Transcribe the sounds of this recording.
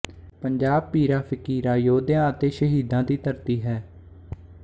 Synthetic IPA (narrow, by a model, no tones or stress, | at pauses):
pəɲd͡ʒaːb̚piːɾaːpʰɪkiːɾãːjoːd̪jãːət̪eːʃəɦiːd̪ãːd̪iːt̪əɾt̪iːɦɛː